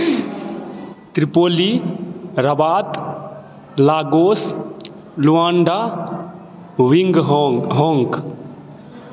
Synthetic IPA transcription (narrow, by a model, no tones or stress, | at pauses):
t̪ɾipoːli | ɾɐbaːt̪ | laːɡoːs | luãːɳɖaː | ʋiŋɡɦɔːŋɡ